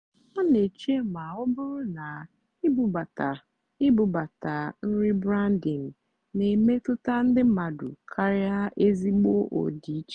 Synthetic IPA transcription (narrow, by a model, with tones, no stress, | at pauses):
ɔ˦ne˨t͡ʃe˦ma˨ʊ˦bʊ˦ɾʊ˦na˨ | ɪ˦bʊ˨ba˨ta˨ | ɪ˦bʊ˨ba˨ta˨n̩˦ɾɪ˦bɾa˦n˦di˨ŋ̩˨ | ne˨me˦tʊ˦ta˦n̩˦dɪ˦ma˨dʊ̰˨kʰa˦ɾɪ˦a˦ʔe˦zi˦ɡ͡bo˦ʔo̰˨di˨˦t͡ʃe˦